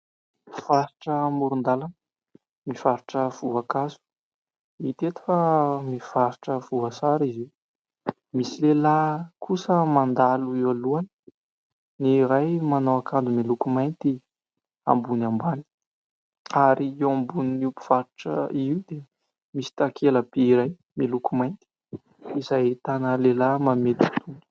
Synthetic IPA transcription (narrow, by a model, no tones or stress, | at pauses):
v̥aɾiʈ͡ʂəmuɾund̪alan | miv̥aɾiʈ͡ʂəv̥uakazu̥ | it̪et̪u̥famiv̥aɾiʈ͡ʂəvuasaɾiziw | misilelakʰusəmand̪aluewaluani̥ | niɾajmanowakʰand̪umilukumajnt̪i | a̰mbunambani̥ | aɾiewambuniupu̥v̥aɾiʈ͡ʂə̰iiwd̪e | misi̥t̪akʰeləb̥eiɾaj | milukumajnt̪i̥ | izajt̪anəlelamamet̪u̥t̪unu̥